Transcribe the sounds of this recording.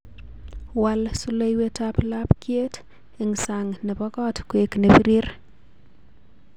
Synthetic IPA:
walsu˦le˦jwe˦tapla˦pkje˦t | e˨ŋsa˨ŋnɛ˨bɔ˦kɔ˦tkwekne˨biɾi˦r

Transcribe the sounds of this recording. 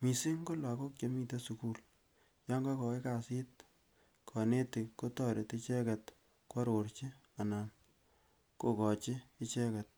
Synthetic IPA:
mi˨si˦ŋko˦la˨ko˦k̚t͡ʃo˦mi˨te˦su˨ku˦l | ja˦ŋɡa˦kɔ˨e˦ka˨sɪ˦t | kʰɔ˨ne˦ti˨ko˦tɔ˨ɾe˨ti˦t͡ʃɛ˦ka˨t | kwa˦ɾo˨ɾt͡ʃi˦ | a˨na˨n | ko˨kɔ˨t͡ʃi˦ɪ˦t͡ʃɛ˦ka˨t̚

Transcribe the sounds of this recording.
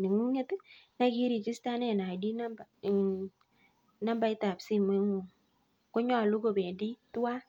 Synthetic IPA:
ni˨ŋu˦ŋe˦tna˦ki˦ɾi˨t͡ʃi˦sta˦ne˨na˨di˦na˦mba˨ | na˦mba˦i˦ta˨psi˦mwe˦ŋu˨ŋ | ko˦ɲɔ˨lu˦ko˨be˨ndi˦tu˦wa˦

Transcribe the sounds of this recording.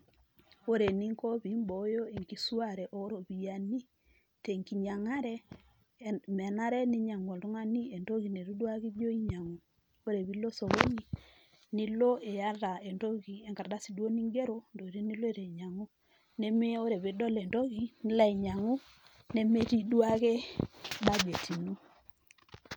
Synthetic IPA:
o˦ɾe˨ni˦ŋko˦βi˨˦mbo˨˦jo˦e˨ŋki˦su˦a˦ɾɛ˨ʔo˦ɾo˨βi˨ja˨ni˦ | te˨ŋki˨ɲa˨ŋa˦ɾɛ˦ | mɛ˨na˦ɾɛ˦ni˦ɲa˨ŋwɔ˨tu˦ŋa˦ni˦e˨nto˦ɣi˨ne˨ɾu˦dwa˦ki˦d͡ʒo˦i˦ɲa˨ŋu˨ | o˦ɾe˨βi˦lo˦so˨βo˦ɲi˦ | ni˦lo˦e˨ja˦ɾa˨e˨nto˦ki˨e˨ŋka˨ɾda˦si˨do˦ni˦ŋɡe˦ɾo˦ndo˨ɾi˦ni˦le˦ɾe˨ɲa˨ŋu˦ | ne˦me˦o˦ɾe˨βe˨do˦le˨nto˦ɣi˨ni˦la˦i˨ɲa˨ŋu˦ | ne˦me˦ti˦dwa˦ke˦ɓa˦d͡ʒe˨ti˨nu˦

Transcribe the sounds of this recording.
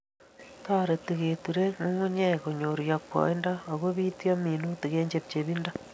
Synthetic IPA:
ta˦ɾe˨ti˨ɣeːtuɾe˦mu˦ŋu˦ɲɛ˦ko˨ɲo˨ɾja˨k̚wɔ̰˨i˦nda˦o˨ɣo˦βi˦tjɔ˦mi˨nu˦ti˨ɣe˦ɲd͡ʒe˦p̚t͡ʃeβinda˦

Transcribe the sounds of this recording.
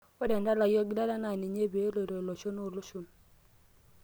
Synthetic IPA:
ɔ˦dɛ˨nda˦la˨jɔ˦ɡda˦la˦na˨ni˨ɲe˦be˨˦lo˨ɾo˨lo˨t͡ʃo˦no˦˨lo˦ʃo˨n

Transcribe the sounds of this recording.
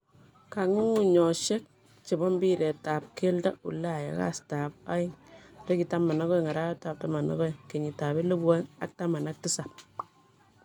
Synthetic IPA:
ka˨ŋu˦ŋu˨ɲɔ˨ʃe˦k̚ | t͡ʃe˨bɔ˦mbi˦ɾe˨ta˨p̚ke˦lda̰˦ṵ˨lːa˦˨ja̰˨ka̰˦sta˨p̚a˦ɪ˦ŋɾe˦ki˨ta˦ma˨na˦kɔ˦˨ŋa˨ɾa˦jɔ˦ta˨p̚ta˦ma˨na̰˦kɔ˦˨ke˨ɲi˨ta˨be˦lo˦bwa˦ŋa̰˦k̚ta˦ma˨na˦k̚ti˦sa˨p̚

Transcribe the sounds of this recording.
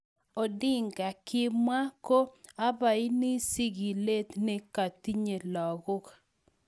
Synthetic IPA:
o˨dɪ˦ŋɡa˨kɪ˦mwa˦ko˦a˦ba˨i˦ni˦si˦ɡi˨le˦t̪ne˦ka˨ti˦ɲe˨lɔ˨ɡʊ˦ka˨

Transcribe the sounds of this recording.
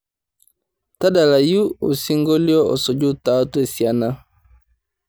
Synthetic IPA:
ta˦da˨la˨ju˦o˨si˦ŋɡo˦li˦ɔ˦ɔ̰˨sɔ˨d͡ʒu˦ta˨˦tu˦e˦˨si˨a˦na˦

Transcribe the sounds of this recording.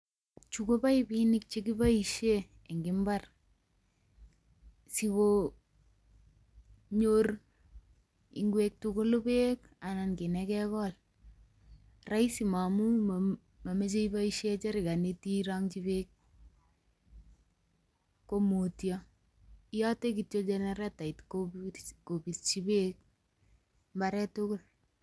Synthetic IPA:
t͡ʃu˨ko˦pa˦i˦binɪ˦k̚t͡ʃe˦ki˦ba˦i˨ʃe˦ | e˨ŋɡɪ˨˦mba˦r | si˦ko˦ | ɲo˦r | ḭ˨ŋɡwe˦k̚tu˦kʊ˦lʊ˦pe˦k | a˨na˨nkɪ˨nɛ˦kɛ˦kɔ˦l | ra˦isi˨ma˨mu˦ | ma˨me˦t͡ʃe˦iba˦iʃe˦t͡ʃɛ˦ɾɪ˨ɡa˨ne˦ti˦ɾaŋt͡ʃi˦bek̚ | o˦mo˨tja | ja˦te˦k̬i˨tjo˦d͡ʒe˦nɛɾɛ˦ta˨i˨tkoko˨bi˨tt͡ʃi˦be˦k̚ | mba˦ɾɛ˦tʊ˦kʊ˦l

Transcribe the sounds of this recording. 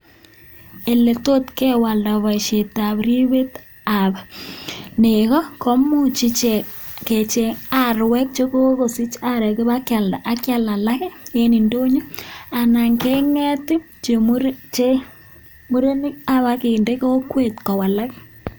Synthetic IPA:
e˨le˨to˦tkɛ˦wa˨lda˨βa˨ɪ˨ʃe˨ta˨bɾi˦βe˦t | a˨ba˨ | neɣɔ˦kɔ˦mu˦t͡ʃi˦t͡ʃɛ˨ | ke˨t͡ʃe˨a˦ɾwɛ˦k̚t͡ʃe˦ko˦ko˨si˦t͡ʃa˦ɾɛ˨kɪ˦βa˦kja˨lda˨ʔa˨kja˨la˨la˦kɛ˦e˦ni˨ndo˦ɲu˦a˨na˨ŋke˦ŋɛ˦tɪ˦ | t͡ʃe˨m˦ɾt͡ʃe˦ | mu˦ɾe˦nɪ˦ka˦βa˦kɪ˨nde˦ke˦o˦kwe˦tkɔ˨wa˨la˦k

